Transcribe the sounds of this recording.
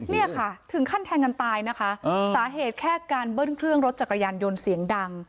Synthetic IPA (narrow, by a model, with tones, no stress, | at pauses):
ni˥˩ɐkʰa˥˩t̪ʰɯ˨˩˦ŋkʰa˥˩nt̪ʰɛː˧ŋːa˧nt̪aː˧jna˦˥kʰa˦˥˧saː˩˦ɦeː˨˩t̪̚kʰɛː˥˩kaː˧nbɤː˥˩nkʰɾɯ˥˩əŋɾo˦˥t̪̚t͡ɕa˨˩ka˧jaː˧njo˧nsi˩˦əŋda˧ŋ